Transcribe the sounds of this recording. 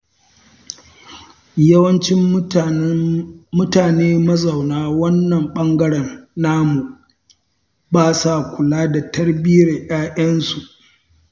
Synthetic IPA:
jɐ˦wɐ˦nt͡ʃɪ˦m | mʊ˦taː˨neː˦mɐ˦zɐ˨wnaː˦wɐ˦nːɐ˨mɓɐ˦ŋɡɐ˦ɽɛ˨nːaː˦mu˨ | baː˦sa˨kʷʊ˨laː˦da˨tɐ˦rbiː˦ɾe˨ʔaː˦ʔɐ˦nsu˨ʔ

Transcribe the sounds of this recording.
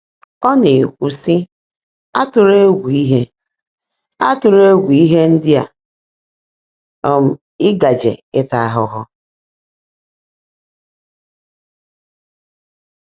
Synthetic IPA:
ɔ˦ne˨kʷu˨si˦ | a˦tʊ˨ɾe˦ɡʷi˨i˦ɦe˦ | a˦tʊ˨ɾe˦ɡʷi˨i˦ɦe˦n̩˦dɪ˦a̰˨ | m̩˨ | ɪ˦ɡa˨d͡ʒḛ˨ɪ˦ta˨a˦ɦʊ˦ɦʊ˦

